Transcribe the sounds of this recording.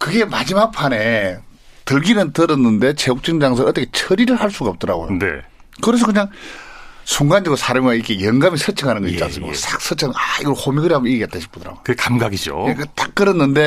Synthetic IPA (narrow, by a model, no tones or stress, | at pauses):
kɯɡe̞mad͡ʑimak̚pʰane̞ | tɯɭɡinɯntɯɾɯnːɯnde̞t͡ɕeok̚t͡ɕ͈ɯŋd͡ʑaŋs̬ʰʌʌt͈ːəkʰet͡ɕʰʌɾiɾɯɭhaɭs͈uɡaːp̚t͈ʌɾa̰ɡo̰jo̰nḛ | kɯɾes̬ʌkɯɲaŋ | sʰuŋɡand͡ʑiɡosʰaɾamɡaikʰejʌŋɡamisʰʌt͡ɕʰʌŋɦanɯnɡʌɕit͡ɕ͈ːans͈ʰɯmksak̚s͈ʰʌt͡ɕʰaŋaiɡʌɭhomiɡɯɾiɦamiɡet͈aɕʰi̥p͈ʰɯdɯɾa̰ɡookɯɡekamɡaɡid͡ʑo̰katak̚k͈ɯɾɯnːɯnde̞